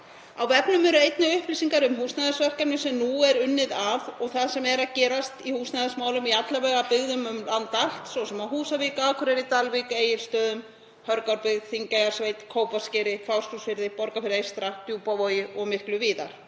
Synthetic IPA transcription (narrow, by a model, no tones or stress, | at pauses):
a̰wvɛpnʏmɛɾʏejt̪naʏhplisiŋkaɾʏmhuːsnajðasvœr̥kamnʏsɛmnuɛɾʏnːɪðavɔɣθaðsɛmɛɾaðcɛːɾast̪ihuːsnaðasmaːwlʏmiat̪lavɛɣapɪɣðʏmʏmlant̪al̥t̪svɔwsɛmaɦuːsaviːkaakʰʏɾɛɾit̪alvikejɪɾ̥st̪œːðʏm | hœɾkawɾpɪɣðθiŋcajɣaɾ̥sveːjt̪kʰoːwpḁscɪːɾɪfawr̥sk̪usfɪɾðɪpɔɾkafɪɾɪejst̪ɾat̪juːpavɔːjɪʔɔɣmɪhklʏviːða̰ɾ̥